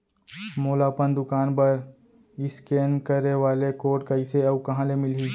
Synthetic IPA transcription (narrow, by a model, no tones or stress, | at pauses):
moːlaːpənd̪ʊkaːnpɐɾ | ɪskeːnkəɾeʋaːlekoːʈkɐɪseɐbkɐɦãːlemɪlɦi